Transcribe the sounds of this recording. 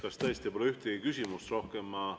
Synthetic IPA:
kɑst̪æjst̪ipoleyht̪eɡikysʲimust̪ro̞hkemːɑ

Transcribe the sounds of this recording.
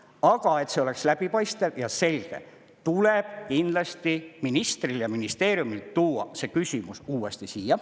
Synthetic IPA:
ɑɡ̥ɑe̞t̪se̞o̞le̞kslæb̥ipɑjst̪evjɑse̞lʲɡ̥e̞̰ | t̪uleb̥kind̪̥lɑst̪iminist̪riljɑminist̪e̞ːɾjumilt̪uːɑ̰se̞ːkysʲimusuːwe̞st̪isiːjɑ

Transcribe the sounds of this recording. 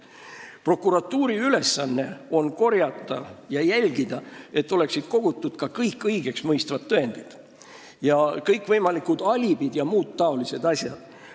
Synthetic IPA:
pro̞kːˑuɾɑt̪ːuːɾiyle̞sːɑnːe̞o̞nko̞rjɑt̪ːˑɑjɑjælʲɡ̥id̪̥ɑe̞t̪ːˑo̞le̞ksid̪̥̚ko̞ɡ̥ut̪ːˑud̪̥kɑkɤjkːˑɤjɡ̥e̞ksmɤjst̪vɑt̪ːɤe̞nd̪̥id̪̥ | jɑkɤjkːˑvɤjmɑlikˑud̪̥ɑlʲib̥id̪̥jɑmuːd̪t̪ɑo̞lise̞d̪ɑsʲjɑ̰d̪̥

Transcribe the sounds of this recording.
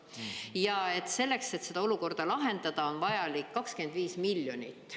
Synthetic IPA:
jɑe̞t̪ːˑse̞lːe̞kset̪se̞d̪̥ɑo̞luko̞rd̪̥ɑlɑɦe̞nd̪̥ɑd̪̥ɑo̞nvɑjɑlikːɑkske̞nd̪viːsmiljo̞nit̪ːˑ

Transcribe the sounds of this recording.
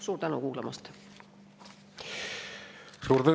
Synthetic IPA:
suːɾt̪ænṵkuːlɑmɑ̰st̪ | suːɾt̪ə

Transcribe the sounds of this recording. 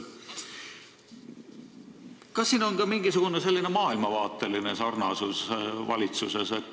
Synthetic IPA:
kɑsːiːno̞nkɑmiŋɡ̥isuɡ̥unese̞lːinemɑːilmɑvɑːt̪ˑːe̞line̞sɑrnɑsusvɑ̰lʲit̪suseset̪ːˑ

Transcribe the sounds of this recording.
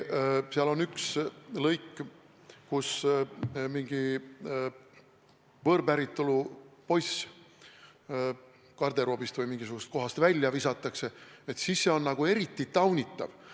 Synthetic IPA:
siɑlo̞nykslɤjkː | kus | miŋɡ̥i | vɤɾbæɾit̪ːˑolupo̞js | kɑrd̪̥e̞ɾo̞ːbist̪vɯjmiŋɡ̥isuɡ̥ust̪̚ko̞ɦɑst̪vælʲːjɑvisɑt̪ːˑɑkse̞et̪sisːe̞o̞nːɑɡ̥ue̞ɾit̪ːˑit̪ɑwnʲit̪ˑːɑ̰v

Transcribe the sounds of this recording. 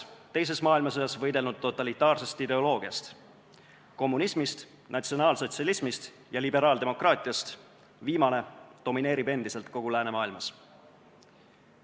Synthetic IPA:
t̪e̞js̬e̞smɑːilmɑsojɑsvɤ̞jd̪elnud̪̥̚t̪ːo̞t̪ːˑɑlit̪ːˑɑːrse̞st̪id̪e̞o̞lo̞ːɡ̥iɑst̪ | ko̞mːunismist̪ | nɑt̪sio̞nɑːlso̞t̪sɑlismist̪ | jɑlibe̞ɾɑːld̪e̞mo̞krɑːt̪ˑiɑst̪ | viːmɑne̞d̪̥o̞mine̞ːɾibe̞nd̪̥ise̞lt̪ko̞ɡ̥ulæːne̞mɑːilmɑs

